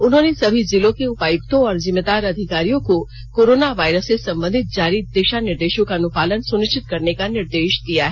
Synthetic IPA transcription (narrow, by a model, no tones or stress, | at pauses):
ʊnɦõːnesɐbʱizɪlõkeʊpaːjʊkt̪õɔːɾzɪmːeːd̪aːɾɐd̪ʱɪkaːɾijõko | koːɾoːnaʋaːɪɾəsesɐ̃mbə̃nd̪ʱɪt̪̚d͡ʒaːɾid̪eːʃanɪɾd̪eːʃõkanʊpaːlənsʊnɪʃt͡ʃɪt̪̚kɐɾnekanɪɾd̪eːʃd̪ijaɦɛ